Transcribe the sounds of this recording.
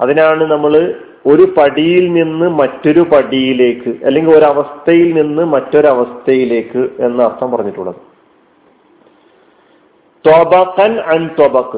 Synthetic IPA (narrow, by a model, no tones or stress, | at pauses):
ɐðinaːɳɨnɐmːɐɭɨ | o̞ɾupɐɽijilninːɨmɐtːo̞ɾupɐɽijile̞ːkːɨʔɐ̰lːe̞ŋɡʲilo̞ɾuɐʋɐst̪ʰɐjilninːɨmɐtːo̞ɾuɐʋɐst̪ʰɐjile̞ːkːɨe̞nːɨɐrt̪ʰɐmpɐrɐɲːiʈːuɭːɐ̰ðɨ | t̪obɐqɐnʕant̪obɐqː